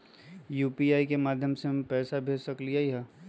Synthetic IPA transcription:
juːpiaːikemaːd̪ʱjəmsempɛːsabʱeːsɐkliaːiɦɛ̃ː

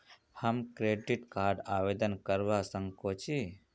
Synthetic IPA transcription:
həmkɾeːɖiʈkaːɾɖaːʋeːd̪ənkəɾʋasəŋkot͡ʃʰi

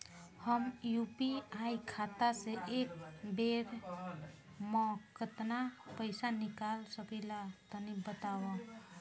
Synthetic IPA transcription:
həmjupiajkʰat̪aseʔek̚beɾ | mɔ̃kət̪napəɪsanikalsəpəlat̪ənibət̪awa

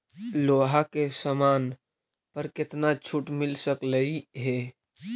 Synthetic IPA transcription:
loːɦakesəmaːn | pəɾkɪt̪nat͡ʃʰuʈmɪlsəkləiɦɛː

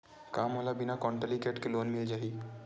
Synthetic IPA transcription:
kaːmɦoːlabɪnakɔ̃ɳʈəlikeʈkeloːnmɪld͡ʒaːɦiː

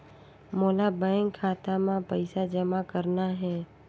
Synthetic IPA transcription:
moːlabɛ̃ːŋkʰːaːt̪amãpəɪsad͡ʒəmakəɾnaɦɛː

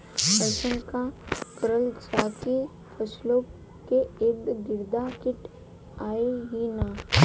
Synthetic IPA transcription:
bəʃənkakəɾəlt͡ʃaːki | pʰəsloː | keɪd̪ɡɪɾd̪akɪʈ | aːeɦina

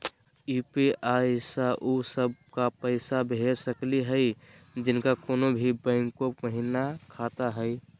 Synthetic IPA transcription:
upiʔajsaʔusəb̚kapəɪsabʱeɾsəkliɦəjd͡ʒɪnkakonobʱibə̃ɪŋkoməɦinakʰat̪aɦəj

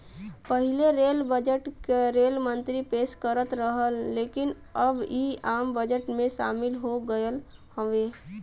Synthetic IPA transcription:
pəɦɪleɾeːlbəd͡ʒəʈkeɾeːlmə̃nt̪ɾipeːʃkəɾət̪ɾəɦəlːeːkɪn | əbiaːmbəd͡ʒəʈmẽʃa̰ːmɪlɦoɡəəl | həʋeː

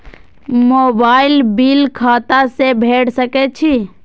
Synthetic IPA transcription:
mobailbilkʰat̪asebʱeʈsəkɛt͡ʃʰi

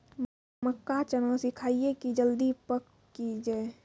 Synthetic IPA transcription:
məkːat͡ʃənəsɪkʰaːiekid͡ʒəld̪ipək | kid͡ʒeː

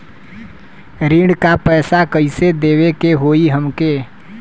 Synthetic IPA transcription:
ɾiːɽkapɛːsakəised̪eːwekeɦoːiɦəmkeː

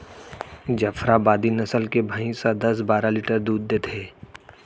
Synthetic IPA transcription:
d͡ʒəfɾabaːd̪inɐsəlkebʱaĩsad̪ɐs̬baːɾaliʈəɾd̪uːd̪ːeːt̪ʰeː

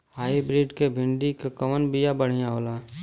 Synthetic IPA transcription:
haːibɾiːɖkebʱɪ̃ɳɖikkəmənbijabəɽ̤ijãɦoːlaː

